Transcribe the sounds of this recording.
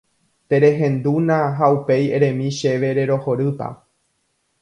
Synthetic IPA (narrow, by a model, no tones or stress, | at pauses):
t̪e̞ɾe̞ɦẽ̞nd̪unãɦaupe̞jeɾẽ̞mĩʃe̞ʋe̞ɾe̞ɾo̞ho̞ɾɨpa̰